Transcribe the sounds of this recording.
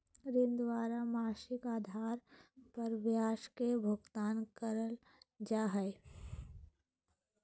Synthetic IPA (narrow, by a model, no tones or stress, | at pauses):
ɾɪnd̪waːɾamaːʃɪkaːd̪ʱaːɾpɐɾbjaːʃkebʱʊɡt̪aːnkəɾəl | d͡ʒaːɦɛe